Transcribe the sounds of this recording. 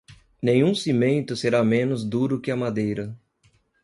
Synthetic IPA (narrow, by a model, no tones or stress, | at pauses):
nẽj̃ũsimẽnt̪ʊseɾamẽnʊzd̪uɾʊkɪɐmad̪ejɾɐ